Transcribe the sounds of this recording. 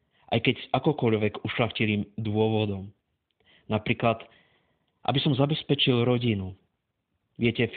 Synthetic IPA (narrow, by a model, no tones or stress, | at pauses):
ʔa̰jkɛɟzʔakɔkɔʎʋɛɡuʃlaxciliːmd̪ʊɔʋɔd̪ɔm | napɾiːklat̪ | ʔa̰bisɔmzabɛspɛt͡ʃilɾɔɟinu | ʋɪɛcɛf